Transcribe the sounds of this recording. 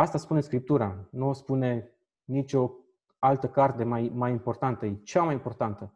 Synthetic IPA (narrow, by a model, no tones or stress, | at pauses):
ast̪aspune̞skɾip̚t̪uɾanuspune̞ | nit͡ʃʲo̞ | alt̪əkart̪e̞majmajimpo̞rt̪ant̪əjet͡ʃeamajimpo̞rt̪ant̪ə